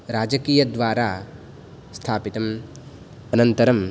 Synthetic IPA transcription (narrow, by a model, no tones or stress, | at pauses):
ɾaːd͡ʒɐkiːjɐd̪ʋaːɾaː | st̪ʰaːpit̪ɐm | ɐnɐnt̪ɐɾɐm